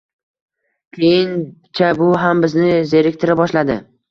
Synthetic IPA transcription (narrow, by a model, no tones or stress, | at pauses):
kʲʰejɪnt͡ʃʰabʊɦambɪznɪzeɾɪkʲt̪ʰɪɾɪbɒʃlad̪ɪ̰